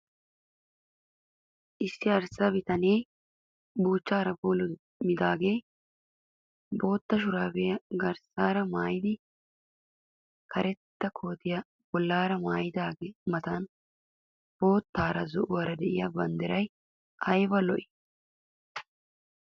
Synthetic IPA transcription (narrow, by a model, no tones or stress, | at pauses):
ʔɪsːɪɐɾsɐbɪt̪ɐneː | buːt͡ʃːaːɾɐboːlʊ | mɪd̪aːɡe̞ː | bo̞ːt̪ːɐʃ̬ʊɾaːbɛjɐɡɐɾsaːɾɐmaːjɪd̪ɪ | kʰɐɾʔɛt̪ːɐkʰo̞ːt̪ɪjɐ | b̥ɔlːaːɾɐmaːjɪd̪aːɡmɐt̪an | b̥o̞ːt̪ːaːɾɐzʊʔʊwɐɾɐd̪ɛʔɪjɐbɐnd̪ɪɾɐj | ʔɐjbɐlɔʔɪ̥